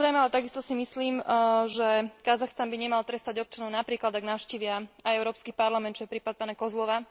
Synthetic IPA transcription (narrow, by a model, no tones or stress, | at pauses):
zɾɛjmɛalɛt̪aɡist̪ɔsimisliːmʒɛkazaxst̪anbiɲɛmalt̪ɾɛst̪aɟɔp̚t͡ʃanɔʊnapɾiːklad̪aɡnaʊʃciːʋɪaajɛʊɾɔːpskipaɾlamɛnt̪̚t͡ʃɔjɛpɾiːpat̪̚paːnakɔzlɔʋa